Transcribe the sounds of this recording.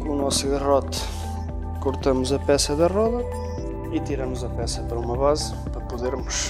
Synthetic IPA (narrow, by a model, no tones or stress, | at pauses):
kõunɔsuɣɐʁɔt̪ɐ̥ | kuɾt̪ɐmʊzɐpɛsɐðɐʁɔðɐ | it̪iɾɐmuzɐpɛsɐpɐɾɐumɐβaz | pɐɾɐpuðeɾmʊʃ